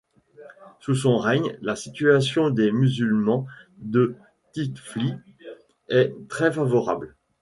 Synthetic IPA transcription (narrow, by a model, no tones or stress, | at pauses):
sus̬ɔ̃ʁɛɲlasit̪yasjɔ̃d̪emyzylmɑ̃d̪ə | t̪it̪fli | ɛt̪χɛfavɔʁa̰bl